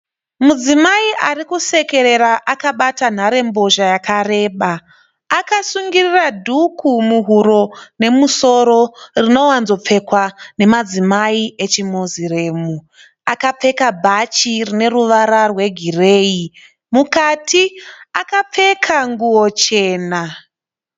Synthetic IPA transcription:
mud͡zimaiʔarikuse̞ke̞ɾe̞ɾaʔakaɓatan̤aɾe̞mbo̞ʒajakare̞ːɓaː | kasuŋɡiriradʱukʰumuɦuɾo̞ne̞muso̞ɾo̞rino̞wanzo̞p͡fe̞kwane̞mad͡zimaiʔe̞t͡ʃimozire̞ːmu | akap͡fe̞kabʱat͡ʃirine̞ruʋaɾarwe̞ɡʱire̞ːi | mukatiakap͡fe̞kʰaŋɡuwo̞t͡ʃe̞ːna

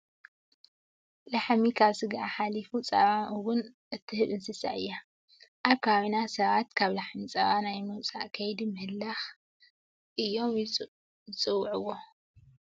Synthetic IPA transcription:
laħmikʰaβsɨɡaħalifut͡sʼɐβaʔwʊnʔɨt̪ʰːɨhɨβɨnsɨsa̰ʔɨ̰jːa | ʔaβkʰaβinasɐβat̪kʰaβlaħmit͡sʼɐ̰βanajmɨwt͡sʼa̰ʔkʰɐjd̪imɨhɨlːax | ʔɨjːo̞m | t͡sʼɨwːʕɨwːo

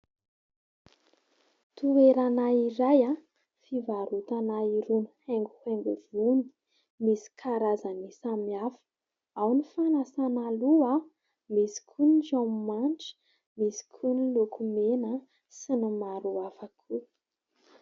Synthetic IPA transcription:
t̪ueɾanaiɾaja | fivaɾut̪anaiɾunuheŋɡuheŋɡuvuni̥ | misi̥kʰaɾazanisamiafə̥ | awnifanasanalua | misi̥kʰunid͡ʒammanʈ͡ʂə̥ | misi̥kʰunilukʰumenə | sinimaɾuafakʰu

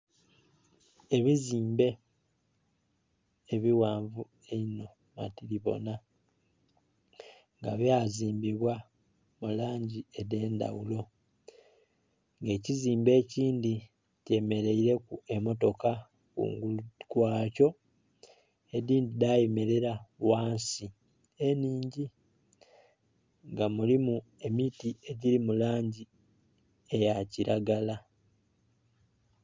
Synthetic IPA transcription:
e̞βiziːmbe̞ | βiwaːɱvu | eino̞ | ma̰tiɾiβo̞̰na | ŋɡaβjaziːmbiβwa | mulaːɲɟiede̞ːnda̰wulo̞ | ŋɡe̞ːciziːmbe̞ːciːndi | ce̞me̞ɾe̞iɾe̞kue̞mo̞to̞ka | kṵːŋɡulkwaːco̞ | ediːndidajeme̞ɾe̞ɾawaːnsi | e̞niːɲɟi | ŋɡamulimue̞mitie̞ɟiɾimulaːɲɟi | e̞jaciɾaɡala

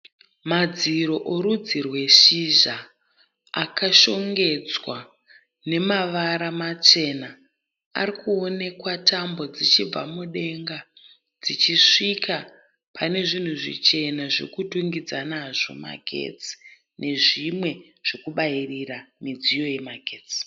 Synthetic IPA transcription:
mad͡ziɾo̞ʔoɾud͡zirwe̞ʃiʒa | akaʃo̞ŋɡe̞d͡zwa | ne̞maʋaɾamat͡ʃe̞na | a̰rikuone̞kwatʰambo̞d͡zit͡ʃib͡va̰muɗe̞ŋɡa | d͡zit͡ʃiʂikʰa | pʰane̞ʐin̤uʐḭt͡ʃe̞naʐḛkutuŋɡid͡zanaʐo̞̰ma̰ɡʱḛt͡si̥ | nʔe̞ʐimwe̞ | ʐ̥e̞kuɓairiramid͡zijo̞je̞maɡʱeːt͡si̥

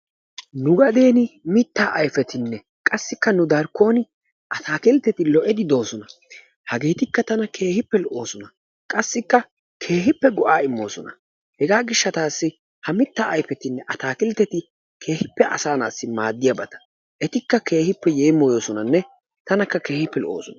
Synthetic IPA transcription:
nʊɡɐd̪e̞ːnɪmɪt̪ːaːʔɐjfɛt̪ɪnːɛ | kʼɐsːɪkːɐnʊd̪ɐɾkːo̞ːnɪ | ʔɐt̪ʰaːkɪlt̪ːɛt̪ɪlɔʔɛd̪ɪd̪o̞ːsɔnɐ | hɐɡe̞ːt̪ɪkːɐt̪ɐnɐkʰe̞ːhɪpːɛlɔʔoːsɔnɐ | kʼɐsːɪkːɐ | kʰe̞ːɦɪpːɛɡɔʔaːɪmːo̞ːsɔnɐ̰ | hɛɡaːɡɪʃːɐt̪aːsːɪ | hɐmɪt̪ːaːʔɐjfɛt̪ɪnːɛʔɐt̪aːkɪlt̪ːɛt̪ɪ | kʰe̞ːhɪpːɛʔɐ̰saːna̰ːsːɪmaːd̪ːɪjɐbɐt̪ɐ̥ | ʔɛt̪ɪkːɐke̞ːhɪpːɛjeːmːoːjoːsɔnɐnːɛ | t̪ɐnɐkːɐke̞ːhɪpːɛlɔ̰ʔo̰ːsɔnɐ

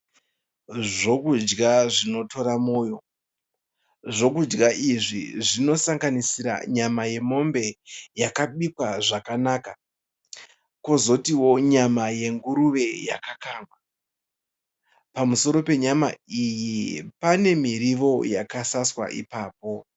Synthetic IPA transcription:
ʐo̞kud͡ʒɡaʐino̞to̞ɾamoːjo̞ | ʐo̞kud͡ʒɡaʔiʐḭʐino̞saŋɡanisiɾa̰ɲamaje̞mo̞mbe̞jakaɓikwaʐakanaːka | kozo̞tiwo̞ɲamaje̞ŋɡuɾuʋe̞ja̰kakaːŋɡwa | pamuso̞ɾo̞pe̞ɲama̰ijipane̞miɾiʋo̞jakasaswa̰ʔḭpaːpo

